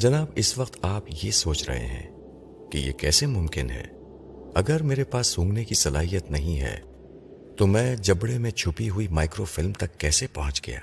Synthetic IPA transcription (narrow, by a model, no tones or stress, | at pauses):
d͡ʒɐnaːbɪsʋɐqt̪aːpjesoːt͡ʃɾɐ̰ɦḛɦɛ̰̃ː | kijḛkɛ̰ːsemʊ̃mkɪnɦɛ̰ː | ɐɡəɾmeːɾepaːsːʊ̃ːŋɡnekisɐla̰ːɦijət̪nɐɦĩɦɛ̰ː | t̪omɛ̃ːd͡ʒɐbɽemẽt͡ʃʰʊpiɦʊimaːɪkɾofɪlmt̪ɐkːɛːsepɐɦʊ̃t͡ʃɡɐ̰ja̰ː